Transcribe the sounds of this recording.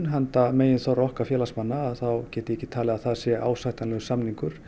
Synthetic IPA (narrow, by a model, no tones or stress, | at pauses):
nɦant̪ameːjɪnθawɾɔhkafjɛːlasmanːaːðθawcɛːht̪ɪɛhcːɪ̥t̪ʰaːlɛɣaðθaðsjɛʔa̰ːwsajht̪anlɛːɣʏsamniŋkʏɾ̥